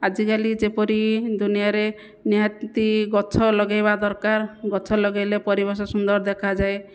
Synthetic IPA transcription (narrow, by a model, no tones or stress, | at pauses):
ad͡ʒikalid͡ʒepɔɾid̪unijaɾe | niɦat̪iɡɔt͡ʃʰɔlɔɡajbad̪ɔɾkaɾɡɔt͡ʃʰɔlɔɡajlepɔɾibɔɾsɔsund̪ɔɾd̪ekʰad͡ʒae